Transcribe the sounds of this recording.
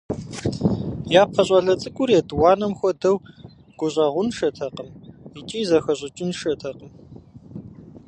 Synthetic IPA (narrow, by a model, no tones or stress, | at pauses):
jaːp̚qʰɐɕʼɐɮɐt͡sʼɨkʷʼʊɾeːdwɑːnɐmxʷɔdɐw | ɡ̥ʷʊɕʼɐʁʷʊnʃɐtʰɐqəmit͡ʃʼiːzɐxɐʑʼɪt͡ʃʼɪnʃɐtʰɐqʼəm